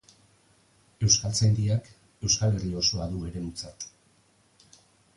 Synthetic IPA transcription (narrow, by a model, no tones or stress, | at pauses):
e̞wskalt͡sajnd̪iak | e̞wskale̞rio̞soaðue̞ɾe̞mut͡sat̪